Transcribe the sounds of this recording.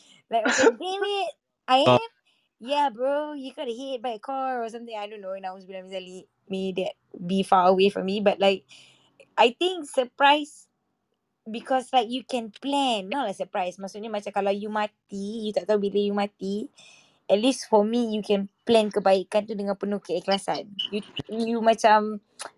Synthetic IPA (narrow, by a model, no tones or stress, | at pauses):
lajksdeɪt̚ | ʔajm | jabɹojukanəhet̚bajəkʰɔɹɔsãmt̪ɪ̃ŋajdõnːoɛ̃najwɔsbilãmĩzali | medɛt̚bifaɹəwefɔ̰mibat̚laɪk̚ | ʔajt̪ĩŋksəpɹaɪs | bikʰɔslajk̚jukɛ̃nplɛ̃nːalaʔsəpɹajsmãʔsut̚ɲamãt͡ʃamkalawjumãt̪ijut̪aʔ̚t̪aubiləjumãt̪i | ɛt̚lisfɔmijukɛ̃nplɛ̃nkəbaiʔkãnt̪udəŋãnpənukəɛklasanjujumãt͡ʃãm